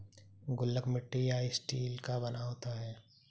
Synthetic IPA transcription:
ɡʊlːəkmɪʈːijaːisʈiːlkabɐnaɦoːt̪aɦɛː

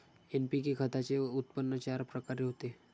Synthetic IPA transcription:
enpikekʰət̪at͡seut̪̚pənːət͡ɕaɾpɾəkaɾeɦot̪e

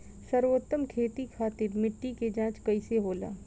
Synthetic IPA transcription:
sɐɾwot̪ːəmkʰeːt̪ikʰaːt̪ɪɾmɪʈːiked͡ʒãːt͡ʃkɐiseɦoːla̰ː

